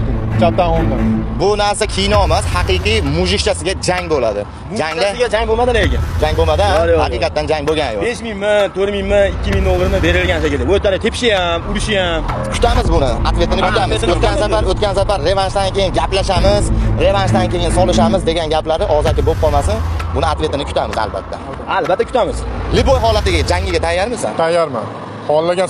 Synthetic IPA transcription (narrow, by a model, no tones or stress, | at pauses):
t͡ʃat̪ːahɒnabʊnaɾsakʲʰijɪnɒmashɑqɨjqɨjmʊʒɪkʲt͡ʃasɪɡʲad͡ʒaŋbolad̪ɪ | d͡ʒaŋd̪aɡʲad͡ʒaŋbomad̪ɪleɡʲɪd͡ʒaŋbomad̪lhaqɨiqɑt̪ːand͡ʒaŋboɡʲanjo̰beʃmɪŋmɪt̪ʰoɾmɪŋmɪɪkʲːɪmɪŋd̪olˠːɪɾmɪbe̞ɾɪlɡʲansekʲɪlɪot̪ːaɾɪt̪ʰepʃɪjamʊɾɪʃɪjamkʰʊ̥t̪ʰamɪzbʊnɪa̰t̪ve̞t̪ɪnɪkʰʊ̥t̪ʰamɪzot̪̚kʲansafaɾot̪̚kʲansafaɾːe̞vanʃd̪ankʲe̞jɪnɡʲaplaʃamɪzɾe̞vanʃd̪ankʲʰe̞jɪnsɒlɪʃamɪzd̪e̞ɡʲanɡʲaplaɾɪʔɒzakʲɪbop̚qʰɒlˠmasɪnbʊnɪat̪ve̞t̪ɪnɪkʰʊ̥t̪ʰamɪza̰lba̰t̪ʰːa̰ | albat̪ːakʰʊ̥t̪ʰamɪz̥lɪbojɦɒlat̪ɪɡʲaad͡ʒaŋːɪɡʲat̪ʰajːaɾmɪsa̰nt̪ʰajːaɾma̰ | hɒlˠːaɡʲan